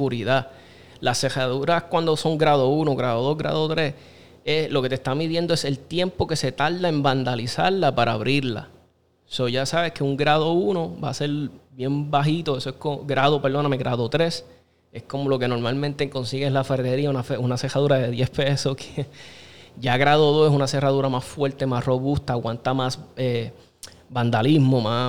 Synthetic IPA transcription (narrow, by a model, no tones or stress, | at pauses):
uɾiða | lase̞haðuɾakwand̪oso̞ŋɡɾaðo̞uno̞ɣɾaðoðo̞ɦɡɾʔa̰ðot̪ɾe̞s | e̞slo̞ke̞t̪est̪amiðje̞nd̪oese̞lt̪je̞mpo̞ke̞se̞t̪alðae̞mband̪alisaɾlapaɾaaβɾiɾla̰ | so̞ʝasaβe̞ske̞uŋɡɾaðo̞uno̞ba̰ːse̞ɾbje̞mbaɦit̪o̞eso̞ehkooɡɾaðo̞peɾd̪o̞nameɣɾaðot̪ɾe̞s | e̞sko̞mo̞lo̞ke̞no̞ɾmalmẽnt̪eŋko̞nsiɣeelafaɾðeɾiaunafeunase̞raðuɾaðe̞ðjespe̞so̞kʰe | ɟ͡ʝaɣɾaðoðo̞sesunase̞raðuɾamasfwe̞ɾt̪e̞masro̞βust̪aːkwant̪amase | band̪alizmo̞ma